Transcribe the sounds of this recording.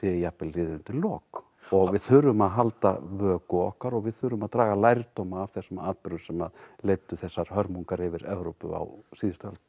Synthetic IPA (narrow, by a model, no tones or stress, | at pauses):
ɪjapɪlɾɪːðʏnt̪ʰɪllɔːk | ɔɣvɪðθʏɾːʏmaðɦalt̪a̰vœːkʏɔ̰hkaɾɔɣvɪðθʏɾːʏmaðt̪ɾaːɣalajɾt̪oːwmaːvθɛsːʏmaːt̪pʏɾʏsɛmaðlejt̪ʏθɛsːaɾ̥hœɾmuŋkaɾɪvɪɾɛvɾowpʏ̰a̰wsiːðɪst̪œlt̪